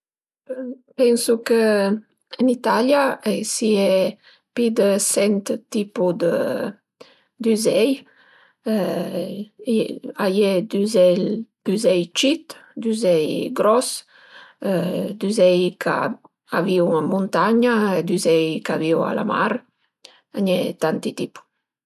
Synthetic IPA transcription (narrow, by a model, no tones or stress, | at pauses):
pɛnsukə | ənit̪aljaɛsiɛ | pid̪əsɛnt̪t̪ipud̪ə | d̪yzɛj | ajed̪yzɛd̪̥yzɛjt͡ʃit̪d̪yzɛjɡɾɔs | d̪yzɛjkʰa̰ | aviuamunt̪aɲaed̪yzɛjkaviwa̰la̰ma̰ɾ | aɲɛt̪ant̪it̪ipu̥